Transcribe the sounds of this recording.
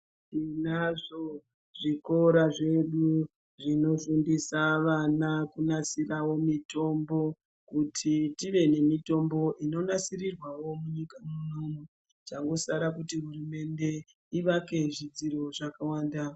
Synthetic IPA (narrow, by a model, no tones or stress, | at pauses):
ʐinaʐo̞ | ʐ̥iko̞ɾaʐe̞ɗu | ʐino̞ʃundisaʋanakunasirawo̞mito̞mbo̞ | kutʰitiʋe̞ne̞mito̞mbo̞ʔino̞nasirirwawo̞muɲikamuno̞mwe | t͡ʃaŋɡo̞saɾakutiɦurume̞nde̞ | iʋake̞ʐid͡ziɾo̞ʐakawaːnda